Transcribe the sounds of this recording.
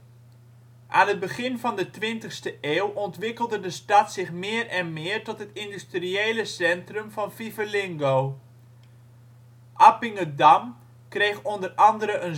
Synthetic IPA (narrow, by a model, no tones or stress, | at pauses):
ʔaːnɦəd̚bəχɪnvɑndətʋɪntəχstəʔeːwʔɔntʋɪkəlˠdədəstɑtsɪχmɪːərɛnmɪːrtɔtɦətɪndystriejləsɛntrəmvɑnfivəlɪŋɡoː | ʔapɪŋədam | krejxɔndərɑndəɾəʔən